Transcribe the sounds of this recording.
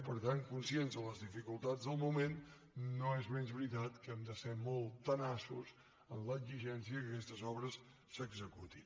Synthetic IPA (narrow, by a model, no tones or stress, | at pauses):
pəɾt̪ankunsienzðələzðifikulˠt̪ad͡zzðəlˠmumenː | oezmɛnzβɾit̪at̪kəɛmd̪əsɛmɔlˠt̪ənasus | ənləziʒɛnsiəkəkɛst̪əzɔβɾəsː | əɡzəkut̪in